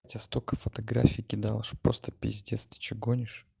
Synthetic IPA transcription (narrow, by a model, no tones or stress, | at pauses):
tʲɐst̪okəfət̪ɐɡɾa̰fʲiikʲɪd̪alˠəʂpɾost̪ə̥pʲɪ̰zʲdʲet̪st̪vʲɪ̥t͡ɕɪɡonʲɪʂ